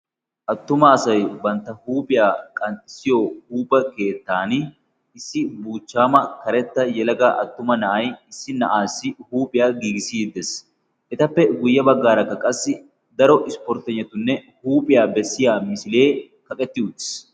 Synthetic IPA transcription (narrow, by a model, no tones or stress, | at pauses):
ʔɐt̪ːʊmɐːsɐjbɐnt̪ːɐhuːpʼɪjaːkʼɐnsɪjoːhuːpʼːɐke̞ːt̪ːaːn | ɪsːɪbuːt͡ʃːaːmɐkɐɾɛt̪ːɐjɛlɐɡaːʔɐ̰t̪ːʊmɐnɐʔɐjɪsːɪnɐ̰ʔaːsːɪhuːpʼɪjaːɡiːɡɪsid̪ːɛs | ʔɛt̪ɐpːɛɡʊjːɐbɐɡːaːɾɐkːɐkʼɐsːɪ | d̪ɐɾɔʔɪspɔɾt̪ɛɲːɐt̪ːʊnːɛ | huːpʼɪjaːbɛsːɪjaːmɪsɪle̞ː | kɐkʼɛt̪ːɪʊt̪ːɪ̥s